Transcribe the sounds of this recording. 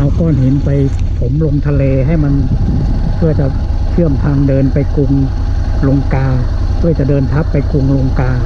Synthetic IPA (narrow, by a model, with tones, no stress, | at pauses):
ʔa˧wkɔː˧˩nɦe˩˦npa˧j | pʰo˩˦mlo˧ŋt̪ʰa˧leː˧ɦa˥˩jma˧n | kʰɯ˧˩ət͡ɕa˧˩ | t͡ɕʰɯ˥˩əmt̪ʰa˧ŋdɤː˧npa˧jku˧ŋ | lo˧ŋkaː˧ | kʰu˧˩əjt͡ɕa˧˩dɤː˧nt̪ʰa˦˥pːa˧jku˧ŋlo˧ŋkaː˧